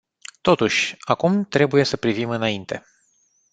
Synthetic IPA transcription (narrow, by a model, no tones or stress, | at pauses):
t̪o̞t̪uʃʲakumt̪ɾe̞buje̞səpɾivimɨnaint̪e̞̰